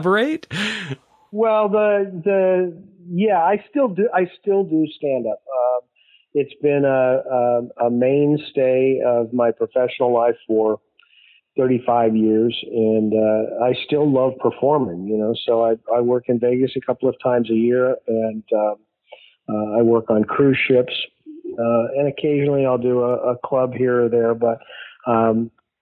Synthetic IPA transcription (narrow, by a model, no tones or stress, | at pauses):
bə˞eɪt̚ | wɛlˠðəðɨ | jæaɪstɪlˠdɨʔaɪstɪlˠdɨstæ̃ndʌp̚ʌ̃m | ɨtsb̥ɪ̃nəʌəmẽɪ̃nsteɪʌvmaɪpʰɹ̥ɨfɛʃn̩l̩ˠlaɪfə˞ | θɜ˞ɾifaɪvjɪɹzɨ̃nʌaɪstɪlˠlʌv̥pʰə˞fɔɹmɪ̃ŋjɨnoʊsoʊaɪaɪwɜ˞kɨ̃nveɪɡɨsɨkʰʌpl̩ˠʌv̥tʰãɪ̃mzɨjɪɹɨ̃n | aɪwɜ˞kn̩kʰɹ̥ʉʃɪps | ʌɨ̃nɨkʰeɪʒɨnl̩ˠiaɪlˠdɨəʔəkʰl̥ʌbɦiɹə˞ðə˞bʌt̚m